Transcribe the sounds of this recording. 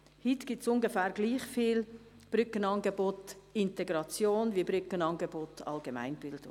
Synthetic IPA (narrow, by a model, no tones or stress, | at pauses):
hitɡ̥ɪtsʊŋɡəfæːɾɡ̥liːχfiːl | b̥ɾʏkənɑnɡəbotɪntɛɡɾɑt͡sjoːnvibɾʏkənɑnɡebotɑ̰lɡema̰ɪnb̥ɪld̥ʊ̰ŋ